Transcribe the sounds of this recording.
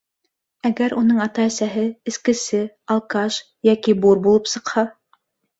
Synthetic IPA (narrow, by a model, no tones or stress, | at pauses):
æɡæɾʔunɤɴɑt̪ɑæsæɦɘɘ̆skɘ̆sɘ | ɑlˠkɑʃ | jækibuɾbulˠɤpsɤ̆qhɑ